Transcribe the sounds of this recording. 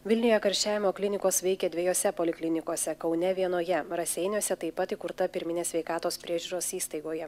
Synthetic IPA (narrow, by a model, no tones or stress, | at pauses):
ʋʲɪlʲnʲɪjojɛkɐɾʲʃʲt͡ʃʲæːʋʲɪmoːklʲɪnʲɪkoːsʋʲɛɪkʲɛd̪ʲʋʲɛjoːsʲɛpolʲɪklʲɪnʲɪkoːsʲɛkɐʊnʲɛʋʲiɛnoːjɛɾɐsʲɛɪnʲuːsʲɛt̪ɐɪpɐt̪ikʊɾt̪ɐpʲɪɾʲmʲɪnʲeːsʲʋʲɛɪkɑːt̪oːspʲɾʲiɛʒʲuɾoːsiːst̪ɐɪɡoːjɛ